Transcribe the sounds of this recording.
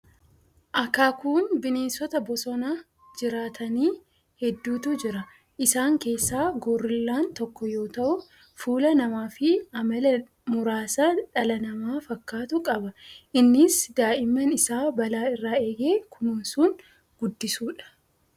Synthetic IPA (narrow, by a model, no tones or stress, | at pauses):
ʔɐkːaːkuːnbɪniːnsɔt̪ɐbɔsɔna | d͡ʒɪɾaːt̪ʰɐniː | hɛd̪ːuːt̪ʊd͡ʒɪɾɐ | ʔɪsaːŋke̞ːsːaːɡɔːrːɪlːaːnt̪ɔkːɔjo̞ːt̪ɐʔʊ | fuːlɐnɐmaːfɪɐmɐlɛ | mʊɾaːsaːᶑɐlɐnɐmaːfɐkːaːt̪ʊkʼɐbɐʔɪnːɪsd̪aːʔɪmːɐnɪsaːbɐlaːɪrːaːe̞ːɡe̞ːkʰʊmʊnsuŋ | ɡ̥ʊd̪ːɪsuːᶑɐ̥